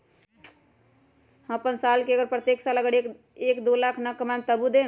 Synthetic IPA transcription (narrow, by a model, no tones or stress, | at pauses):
hə̃pənsalkeəɡəɾpɾət̪jeksaləɡəɽ | ekd̪olakʰnəkəmant̪əbud̪ẽ